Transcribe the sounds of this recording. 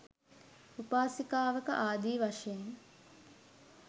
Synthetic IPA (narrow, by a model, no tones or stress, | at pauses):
upaːsikaːʋəkə̰ʔaːd̪iːʋaʂejeŋ